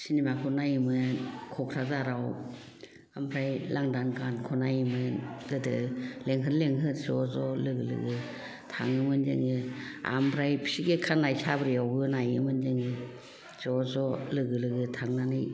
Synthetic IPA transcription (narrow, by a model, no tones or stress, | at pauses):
sinimakʰunajimɯkʰɔkʰɾazaɾaw | ambʰɾajlaŋdankʰankʰɔnajimɯɡɯdɯleŋɦɯɾleŋɦɯtsɔzɔlɯɡɯlɯ̰ɡɯ | tʰa̰ŋɯmɯnzḛŋɯa̰mbɾajpʰi̥siɡekʰanajsabɾijawɯnajɯmɯnzeŋɯ | zɔzɔlɯɡɯlɯɡɯtʰaŋnanɯj